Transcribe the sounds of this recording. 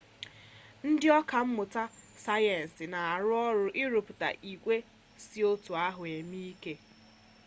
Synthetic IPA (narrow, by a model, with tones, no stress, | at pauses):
n̩˦dɪ˦ɔ˦ka˨m̩˦mʊ˨ta˦sa˦je˨n̩˨sɪ˨na˨a˨ɾʊ˦ɔ˦ɾʊ˦ʔɪ˦ɾʊ˨pu˨ta̰˨ʔi˨kʷe˦ | sɪ˦o˦tu˨a˦ɦʊ˨e˨mi˦i˦ke˦